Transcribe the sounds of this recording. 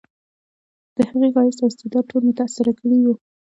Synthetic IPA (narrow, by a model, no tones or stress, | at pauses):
d̪̥əhəɣeɣɑjɪst̪aɪst̪ɪd̪ɑʈʰolmet̪asaɾakəɽiwu